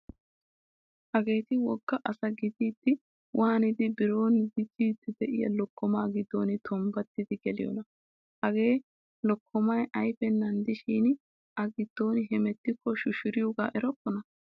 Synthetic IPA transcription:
hɐɡe̞ːt̪ɪwɔɡ̥ːɐʔɐsɐɡɪd̪iːt̪ːɪ | wʔaːɐnɪd̪ɪbɪɾo̞ːnɡɪd̪iːt̪ːɪd̪ɛʔɪjɐ̰lɔkːɔmaːɡɪd̪ːo̞ːnɪt̪ʰɔmbɐt̪ːɪd̪ɪɡɛlɪjɔ̰nɐ | hɐɡe̞ː | lɔkʰːɔmɐjʔɐjfɛnːɐnd̪ɪʃiːn | ɐɡɪd̪̥ːo̞ːnɪɦɛmɛt̪ːɪkːɔʃʊʃʊɾɪjɔɡa̰ːʔɛɾɔkːɔnɐ

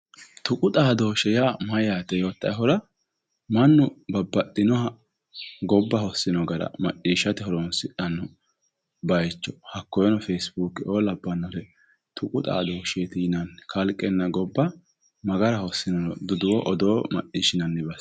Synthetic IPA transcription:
t̪ʊkʼʊt̪ʼaːd̪o̞ːʃɛjamɐjaːt̪ɛjoːt̪ːɐjɦɔɾɐ | mɐnːʊbɐbːɐtʼːɪnɔhɐ | ɡɔbːɐhɔsːɪnɔɡɐɾɐ̰mɐt͡ʃːiːʃɐt̪ɛhɔɾɔnsɪᶑɐnːɔ | bɐjt͡ʃːɔ̥hɐkːɔjɔnɔfeːsbuːkːɪoːlɐbːɐnːɔlɛ | t̪ʰʊkʼʊt̪ʼa̰ːd̪oːʃet̪iːnɐnkʰɐlkʼːɛnːɐɡɔbːɐ | mɐɡɐɾɐhɔsːɪnɔɔd̪ʊd̪ʊwɔʔɔd̪o̞ːmɐ̰ʔʼiːʃɪnɐnːɛbɐs

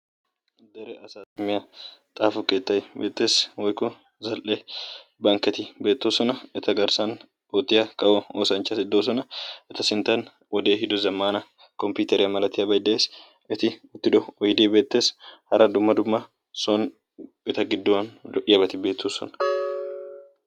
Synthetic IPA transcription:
d̪ɛɾɛʔɐsat̪ːʊmːɪjɐt̪ʼaːfʊkʼeːt̪ːɐjbeːt̪ːe̞ːswɔjkɔ | zɐlʔebɐŋkɛt̪ɪbe̞ːt̪ːoːsɔnɐɛt̪ɐɡɐɾsɐn | ot̪ːɪjɐkɐwɔoːsɐnt͡ʃːɐsɪd̪ːoːs̬ɔnɐɛt̪ɐsɪnt̪ɐn | wɔd̪e̞ːɦɪd̪ɔzɐmːaːnɐ | kɔmpjuːt̪ɛɾɪjɐmɐlɐt̪ːɪjɐbɐjd̪ɐʔeːs | ʔɪt̪ɪʊt̪ːɪd̪ɔɔjd̪iːbe̞ːt̪ːe̞ːshɐɾɐd̪ʊmːɐd̪ʊmːɐ | son | ɛt̪ɐɡɪd̪ːɔwɐnd̪ɔʔɪjɐbɐt̪ɪbe̞ːt̪ːoːsɔ̰nɐ̥

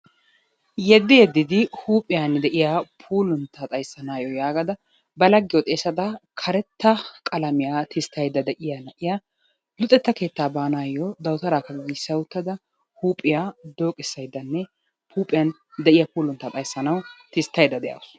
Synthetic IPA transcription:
jɛd̪ːɪjɛd̪ːɪd̪ɪhuːpʼɪjand̪ɛʔɪjapʰuːlʊnt̪ʰːɐt̪ʼɐjsːɐnaːjɔjaːɡɐd̪ɐ | bɐlɐɡːɪjɔt̪ʼeːsɐd̪ɐkʰɐɾɛt̪ːɐkʼɐlɐmɪjat̪ʰɪst̪ːɐjd̪ɐd̪ɛʔɪjɐnɐʔɪja | lʊt̪ʼːɛt̪ːɐke̞ːt̪ːaːbaːnaːjɔd̪ɐwt̪ɐɾaːkɐɡɡisɐwʊt̪ːɐd̪ɐ | huːpʼːɪjad̪o̞ːkʼɪsːɐjd̪ɐnːɛ | pʰuːpʼɪjɐn | d̪ɛʔɪjɐpuːlʊnt̪ːɐt̪ʼɐjsːɐnɐwt̪ɪst̪ːɐjd̪ɐd̪ɛjɐ̰ws

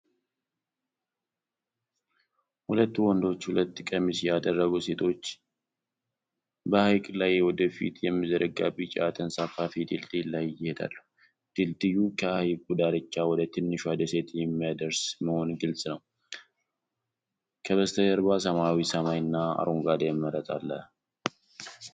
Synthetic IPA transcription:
hulət̪ːuwɔnd̪o̞t͡ʃːhulət̪ːɨkʼəmisjad̪ərːəɡuse̞t̪ʰo̞t͡ʃː | bəhajkʼlajwɔd̪əfḭt̪ʰjɛmːizəɾəɡabɨt͡ʃʼat̪ʰənsafafit̪ʰilt̪ʼɨlajjːɪhed̪a̰lːəhu | d̪̥ɨlt̪ʼɨjukʰəhajɡʼud̪aɾɨt͡ʃːawɔd̪ət̪ʰɨnːɨʃad̪əse̞t̪jɛmːijad̪əɾsməho̞nɡɨlsʼnəw | kʰəβəst̪ʰəjəɾβasəmawisəmajɨnːaa̰ɾoŋɡad̪amːəɾət̪ʼa̰lːə̰

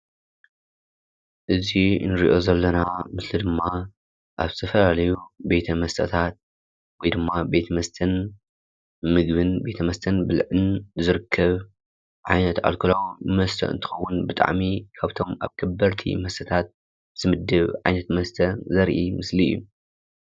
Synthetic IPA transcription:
ʔɨzinɨɾiʔo̞zɐlːɐnamɨslid̪ɨmːa | ʔaβzɨ̥t̪ʰɐfɐlalɐjube̞t̪ʰɐmɐst̪ʰɐ̰t̪ʰat̪̚ | wɔjd̪ɨmːabe̞t̪ʰɐmɐst̪ʰɐn | mɨɡβɨnbe̞t̪ʰɐmɐst̪ʰɐnbɨlʕɨnzɨɾɨkʰːɐβ | ʕajnɐt̪a̰lkʰɨlawmɐst̪ʰɐ̰ʔɨ̰nt̪ʰɨ̥xɐwːʊnbɨt̪ʼa̰ʕmikʰaβt̪ʰo̞mʔa̰βkʰɐbːɐɾt̪ʰḭmɐst̪ʰɐt̪ʰat̪̚ | z̥ɨmɨd̪ːɨβʕajnɐt̪mɐst̪ʰɐzɐɾʔimɨslḭjːu

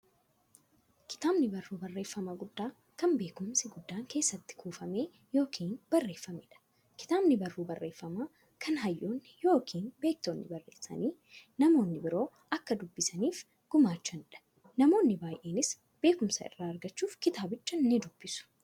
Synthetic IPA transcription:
kɪ̥t̪aːbnɪbɐrːuːbɐrːe̞ːfːɐmɐɡʊd̪ːaː | kɐmbe̞ːkʊmsɪɡʊd̪ːaːŋke̞ːsːɐt̪ːɪ̥kuːfɐme̞ː | jo̞ːkʰiːnbɐrːe̞ːfːɐmɪᶑɐ̥ | kɪ̥t̪aːbnɪbɐrːuːbɐrːeːfːɐmaː | kʰɐnɦɐjːoːnːɪjo̞ːkʰiːnbe̞ːk̚t̪oːnːɪ̰bɐrːeːsːɐ̰niː | nɐmo̞ːnːɪbɪɾo̞ː | ɐkːɐd̪ʊbːɪsɐniːf | ɡ̥ʊmaːt͡ʃːɐnɪᶑɐ̥ | nɐmo̞ːnːɪbaːjʔeːnɪs | b̥e̞ːkʊmsɐɪ̰rːaːɐɾɡɐt͡ʃːuːfkɪt̪aːbɪt͡ʃːɐnːɪd̪ʊb̥ːɪsʊ̥

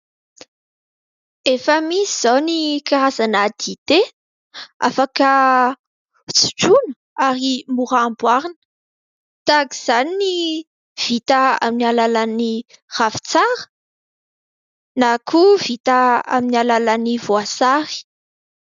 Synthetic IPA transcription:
efəmisiz̥ownikaɾazanad̪it̪e | afakə | t͡si̥ʈ͡ʂunə̥ | aɾimuɾambwaɾinə̥ | t̪akiz̥anini | v̥it̪aa̰minialalanir̥afi̥t͡saɾə̥ | nakʰuvit̪aa̰minialalanivoasaɾi̥

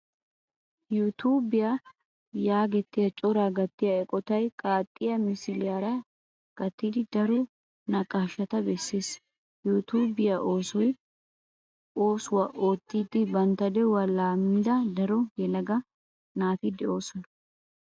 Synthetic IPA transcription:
jut̪ʰuːbɪja | jaːɡɛt̪ːɪjɐt͡ʃʼɔɾaɡɐt̪ːɪjɐɛkʼɔt̪ɐjkʼaːt̪ʼːɪjɐmɪsɪlɪjaɾɐ | ɡ̥ɐt̪ːiːd̪ɪd̪ɐɾɔ | nɐkʼːaːʃːɐt̪ɐbɛsːeːs | jut̪uːbɪjɐʔo̞ːsɔj | o̞ːsʊwɐʔoːt̪ːiːd̪ɪbɐnt̪ɐd̪ɛwɐlaːmɪnd̪ɐd̪ɐɾɔjɛlɐɡɐ | naːt̪ɪd̪ɛo̞ːsɔnɐ

